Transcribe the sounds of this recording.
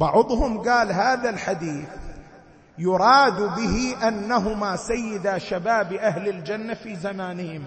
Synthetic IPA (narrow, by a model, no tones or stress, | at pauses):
bɑʕʊd̪ˤhʊmɡaːlɦaːðalħad̪iːθ | jʊɾˤɑːd̪bɪhiʔanːaɦʊmaːsajːɪd̪aʃabaːbʔahlɪld͡ʒanːafiːzamaːnɪhɪm